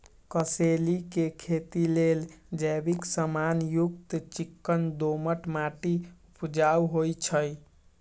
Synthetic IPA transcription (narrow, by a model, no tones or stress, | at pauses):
kəselikekʰet̪ileld͡ʒəbiksəmanjukt̪t͡ʃikːənd̪oməʈmaʈiupd͡ʒauɦojt͡ʃʰəj